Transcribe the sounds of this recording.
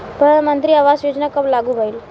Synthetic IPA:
pəɳmənt̪ɾiːaʋasjod͡ʑnakəblaɡuːbʱail

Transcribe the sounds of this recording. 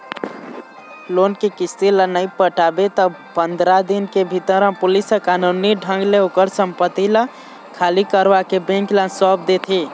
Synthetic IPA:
loːnkekist̪elənəĩpəʈabet̪ɔ | pənd̪ɾad̪inkebʱit̪əɾə̃pʊlisəkanuniɖʱə̃ŋɡleokəɾsə̃mpət̪ilə̃ | kʰalikəɾʋakebẽŋklə̃nsɔpd̪et̪ʰi

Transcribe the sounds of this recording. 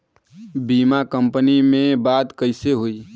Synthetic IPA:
biːmakə̃mpənimẽbaːd̪kəɪseɦoi

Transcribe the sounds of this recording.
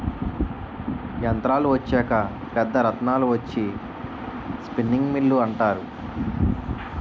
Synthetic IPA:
jɐnt̪ɾaːluʋɐt͡ʃːɛːkɐ | pɛd̪ːɐɾɐt̪naːluʋɐt͡ʃːi | spinːiŋɡmilːuɐɳʈaːɾu

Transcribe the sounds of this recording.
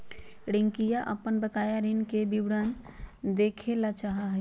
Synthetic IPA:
ɽeŋkijaʔəpːənbəkajaɾinkebibɽand̪ekʰelat͡ʃaɦaɦə

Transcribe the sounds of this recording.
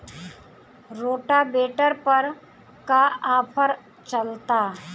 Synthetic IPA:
ɾoːʈabeːʈəɾpɐɾ | kaaːpʰəɾ | t͡ʃəlt̪aː

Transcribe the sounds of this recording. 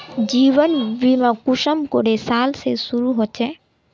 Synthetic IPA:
d͡ʑiβɔnbimakuʃəmkoɾesalsḛsuɾuɦot͡ʃʰe

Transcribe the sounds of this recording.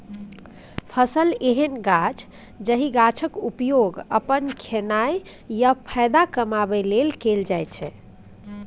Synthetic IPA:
pʰəsəleɦənɡat͡ʃʰ | d͡ʒəɦiɡat͡ʃʰəkupjoɡə̰pənkʰenaj | japʰəjd̪akəmabɛlelkeld͡ʒajt͡ʃʰɛ

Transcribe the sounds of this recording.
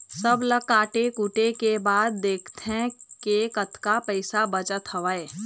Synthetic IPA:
səbləkːaːʈekuʈekebaːd̪̚ːeːkʰt̪ɛ̃kekət̪ʰkapɛɪsabɐt͡ʃət̪ɦəʋaːeː

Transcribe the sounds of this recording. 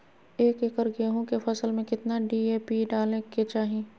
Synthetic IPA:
eːkeːkəɾɡeːɦõkefɐsəlmẽkɪt̪naɖiːeːpiɖaːleket͡ʃaːɦieː

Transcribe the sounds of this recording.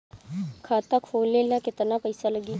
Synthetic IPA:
kʰaːt̪akʰoːlːelakɪt̪napɐɪsalɐɡiː

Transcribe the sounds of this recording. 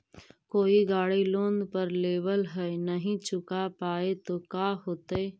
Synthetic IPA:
koːiɡaːɽiloːnd̪pəɾleːʋəlɦɛnəɦĩt͡ʃʊkapaːet̪okaːɦoːt̪e

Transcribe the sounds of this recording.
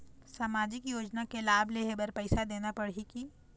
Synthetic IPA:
saːmaːd͡ʒɪkjoːd͡ʒnakelaːbʱleɦebəɾpɛɪsad̪eːnapɐɽikiː

